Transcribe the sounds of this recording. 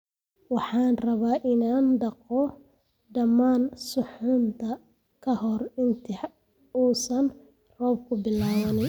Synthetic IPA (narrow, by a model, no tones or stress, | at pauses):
wɑħɑːnrɐβaːʔɪnaːnɖɑqɔ | ɖɐmaːnsʊħʊnt̪ʰɐ | kʰɐhɔrɪnt̪ʰɪħ | uːsɐn | rɔːb̚kʰʊbɪlaːwɐnɪj